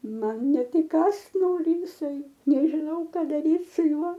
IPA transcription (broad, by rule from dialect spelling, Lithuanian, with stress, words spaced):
ˈmɐn ˈnʲɛt ɪˈkɑːst ˈnoːrʲɪ jɪˈsɐɪ nʲɛʒʲɪˈnɐʊ ˈkɐ dɐˈrʲiːt sʊ ˈjuɔ